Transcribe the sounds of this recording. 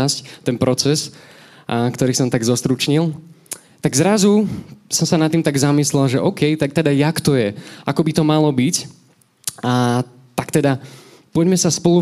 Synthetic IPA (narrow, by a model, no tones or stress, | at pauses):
asct̪ɛnpɾɔt͡sɛs | kt̪ɔɾiːsɔmt̪aɡzɔst̪ɾut͡ʃɲilˠ | t̪aɡzɾazusɔmsanat̪ːiːmt̪aɡzamislɛlˠʒɛʔɔʊkɛjt̪ak̚t̪ɛd̪ajakt̪ɔjɛakɔbit̪ɔmalɔbic | a | t̪akt̪ɛd̪a | pɔɟmɛsaspɔlu